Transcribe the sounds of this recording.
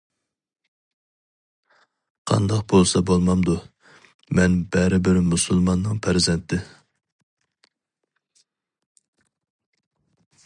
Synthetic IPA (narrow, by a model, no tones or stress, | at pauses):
qʰɑ̰nd̪ɑqbolˠsɑbolˠmɑmd̪u | mɛnbɛɾɪbɪɾmusɨlˠmɑnːɨŋpʰæɾzɛnt̪ʰɪ